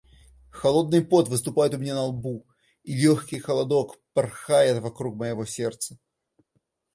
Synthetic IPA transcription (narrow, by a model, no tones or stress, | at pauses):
xɐlˠo̞d̪̚nɨjpo̞t̪vɨst̪ʊpajɪt̪ʊmʲɪnʲanɐlˠbu | ilʲoxkʲɪjxəlˠɐd̪o̞kpɐrxajɪt̪vɐkɾukməjɪvosʲert̪sə̥